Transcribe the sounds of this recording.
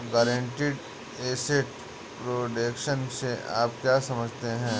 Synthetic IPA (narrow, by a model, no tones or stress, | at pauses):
ɡəːɾẽɳʈiːɖ | eːseʈ | pɾoːɖeːkʃənsea̰ːpkjaːsɐməd͡ʒʱt̪eɦɛ̃ː